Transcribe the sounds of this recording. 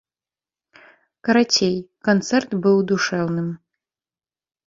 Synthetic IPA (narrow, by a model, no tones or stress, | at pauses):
kɐɾatʲʰejkɐnt̪sɛrt̪bɨwd̪uʂɛwnɨm